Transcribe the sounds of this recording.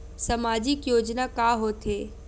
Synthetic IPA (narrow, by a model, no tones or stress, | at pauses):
sɐmaːd͡ʑɪkjoːd͡ʒnakaːɦoːt̪ʰe